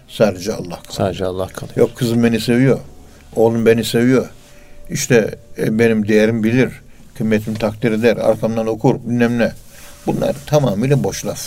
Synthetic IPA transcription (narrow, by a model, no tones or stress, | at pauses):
saːd̪ed͡ʒɛɑ̰lˠːahkʰsaːd̪d͡ʒɛɑlˠːɑhkʰajokʰːɯzɯmbe̞nise̞vijo̞ɾ | olˠumbenise̞vijoɾ | iʃt̪ʰɛbenimd̪ejæɾimbilʲiɾ | kʰɯmːet̪ʰimt̪ʰak̚t̪ʰiɾed̪æɾa̰ɾkʰamd̪ano̞kʰuɾbynːɛmlʲɛ | bunlˠa̰ɾt̪ʰamaːmilʲɛbo̞ʃlˠaf